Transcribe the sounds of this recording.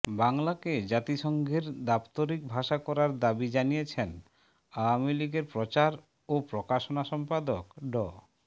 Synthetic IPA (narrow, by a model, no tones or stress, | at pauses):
baŋlaked͡ʑat̪iʃɔŋɡʱeɾd̪apt̪oɾik̚bʱaʃakɔɾaɾd̪abid͡ʑanijet͡ɕʰen | awamiliɡeɾpɾot͡ɕaɾ | opɾokaʃonaʃɔmpad̪okɖɔ